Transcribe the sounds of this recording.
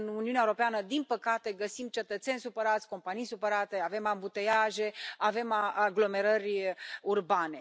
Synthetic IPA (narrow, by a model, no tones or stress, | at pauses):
nuniuneaewoɾo̞peanəd̪inpəkat̪e̞ɡəsimt͡ʃe̞t̪ət̪sʲe̞nʲsupəɾat̪sʲko̞mpanijsupəɾat̪e̞ave̞mambut̪ejaʒe̞ave̞maaɡlo̞me̞ɾərʲurbane̞